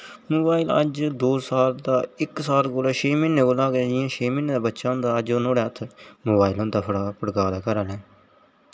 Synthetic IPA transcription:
moːbaːɪlə̰d͡ʒd̪oːsaːld̪aːɪksaːlkoːlaːʃʰeːmɪnːeːkoːlaːɡd͡ʒɪjãːʃʰeːmɪnːeːd̪aːbətːʃãːʊ̃nd̪aːəd͡ʒoːnoːɽɛːt̪ʰmoːbaːɪlõːd̪aːpʰɽaːpəɽkaːd̪aːkəɾaːlɛ̃ː

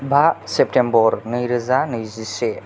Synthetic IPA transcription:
bʱasep̚tembɔɾnɯjɾɯzanɯjzise

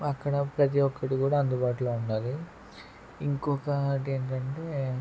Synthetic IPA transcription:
ɐkːɐɽɐpɾɐt̪̬iʋɔkːɐʈikuːɽaːɐnd̪ubaːʈuloːuɳɖaːli | iŋkɔːkɐʈeːɳʈɐɳʈeː

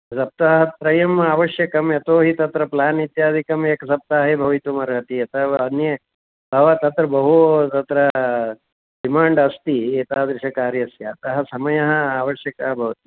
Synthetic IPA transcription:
sɐp̚t̪aːɦɐt̪ɾɐjɐmaːʋɐʃjɐkɐmjɐt̪oːɦit̪ɐt̪ɾɐplaːnit̪jaːd̪ʱikɐmeːkɐsɐp̚t̪aːɦebʱɐʋit̪umɐɾɡʱɐt̪iɐt̪ɐɐnjɐ | bʱɐʋɐt̪ɐt̪ɾɐbɐɦut̪ɐt̪ɾɐ | ɖimaːɳɖɐst̪ieːt̪aːd̪ɾɪʃɐkaːɾjɐsjaːt̪ɐɦɐ̆sɐmɐjɐɦɐ̆aːʋɐʃjɐkɐɦɐbʱɐʋɐt̪i

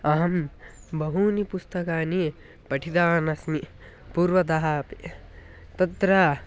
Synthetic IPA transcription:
ɐɦɐmbɐɦunipust̪ɐkaːni | pɐʈʰid̪aːnɐsmi | puɾʋɐd̪ɐɦapi | t̪ɐt̪ɾa

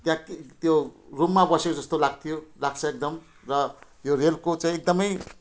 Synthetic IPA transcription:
t̪jãkt̪jorumːabʌsekod͡zʌst̪olaɡ̚t̪ʰijolaɡt͡sʰʌek̚d̪ʌm | rʌ | jorelkot͡sãĩek̚d̪ʌmʌj

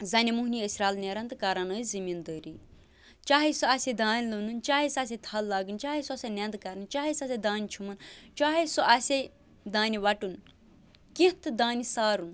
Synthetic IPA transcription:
zɐnemuɦniəsɾaːlnʲeɾɐnt̪ɨkaɾɐnəːzimind̪əɾi | t͡ʃaːɦesoɐsed̪aːnʲlununt͡ʃaːɦesɐs̬et̪ʰɐlːaːɡɨnt͡ʃaːɦesuasʲenend̪kɐɾnɨnʲt͡ʃaːɦesɐsʲed̪aːnʲit͡ʃʰumɐnt͡ʃaːɦesoʔɐsʲe | d̪aːniʋɐʈun | kĩt̪ɨd̪aːnisaːɾun

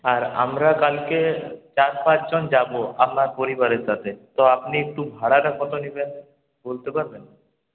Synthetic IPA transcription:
aɾa̰mɾakalket͡ɕaɾpãt͡ɕd͡ʑɔnd͡ʑaboa̰p̚naɾpoɾibaɾeɾʃat̪ʰet̪ɔapniek̚ʈubʱaɽaʈakɔt̪oniben | bolt̪epaɾben

